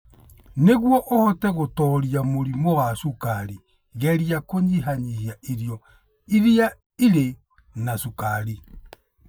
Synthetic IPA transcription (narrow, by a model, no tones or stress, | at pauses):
neɣwɔʔohɔtɛɣotɔːɾiamoɾimoɣaʃukaɾi | ɣɛɾjakoɲiɦaɲihiaiɾjɔ | iɾia | iɾe | nasukaɾi